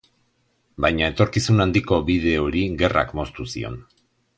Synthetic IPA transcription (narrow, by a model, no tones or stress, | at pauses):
bajɲae̞t̪o̞ɾkisunand̪iko̞βiðe̞o̞ɾiɣe̞ra̰kmo̞st̪usio̞̰n